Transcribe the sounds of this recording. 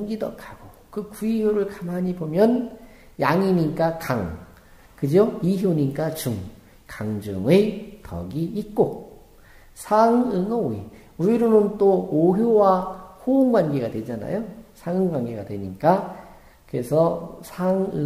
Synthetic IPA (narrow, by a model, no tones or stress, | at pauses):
ŋɡidʌ̰kʰaɡ̥okɯkuiɦjoɾɯɭkamɦaɲibomjʌn | jaŋiɲik͈akaŋ | kɯd͡ʑoiɦjoɲik͈at͡ɕuŋ | kaŋd͡ʑo̰ŋetʰʌ̰ɡiːk͈o | sʰaŋɯŋʌi | uiɾonɯnt͈ooɦjowahoŋɡwanɡeɡadwe̞d͡ʑana̰josʰaŋɯŋɡwanɡeɡadwe̞ɲik͈a | kɯɾe̞sʰʌsʰaŋɯ